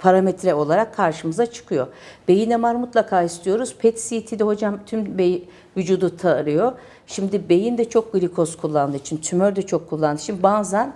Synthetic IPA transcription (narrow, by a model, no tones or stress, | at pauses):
pʰaɾamet̪ʰɾɛo̞lˠaɾakʰːaɾʃɯmɯzat͡ʃʰɯ̥kʰɯjo̞b̥e̞jinɛmaɾmut̪lˠakʰaːist̪ʰijo̞ɾuz̥pʰɛt̪sit̪ʰid̪ɛɦo̞d͡ʒamt̪ʰymbeji | vyd͡ʒuːd̪ut̪ʰaɯɾɯjo̞ | ʃimd̪ibe̞jind̪ɛt͡ʃʰo̞k̚ɡilʲikʰo̞skʰulˠːand̪ɯit͡ʃʰint̪ʰymøɾd̪ɛt͡ʃʰo̞kʰːulˠːand̪ɯːʃʰt͡ʃimd̪ibazan